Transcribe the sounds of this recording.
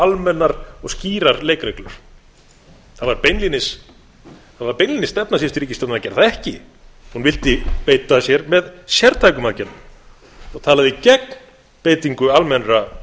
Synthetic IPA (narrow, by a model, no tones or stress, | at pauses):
almɛnːaɾɔɣsciːɾaɾleːjkɾɛklʏɾ̥ | θaðvaɾpejnlinɪs | θaðvaɾpejnlinɪst̪ɛpnas̬iɛst̪ʏɾiːcɪst̪ɔnacɛɾðaɛhcɪhunvɪlt̪ɪpeːjt̪asjɛɾmɛðsjɛɾt̪ʰajkʏmacɛt̪na | ɔɣt̪ʰaːlaðɪcɛk̚n | peːjt̪iŋkʏalmɛnɾa